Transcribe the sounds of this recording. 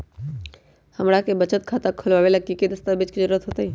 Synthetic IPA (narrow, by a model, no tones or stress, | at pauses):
həmɽakebət͡ʃət̪kʰat̪akʰʊlʋaːʋelakiked̪əst̪abed͡ʒkizəɾuːɾət̪ɦoːt̪aɦiː